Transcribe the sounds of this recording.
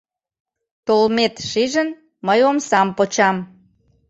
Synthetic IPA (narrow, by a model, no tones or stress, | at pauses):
t̪olmet̪ʃiʒən | məjomsɑmpot͡ɕɑm